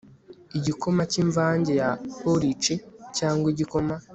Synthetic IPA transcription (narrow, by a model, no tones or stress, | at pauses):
iɟiko̞maciɱvaːɲɟe̞japoɾit͡ʃicaːŋɡwiɟiko̞ma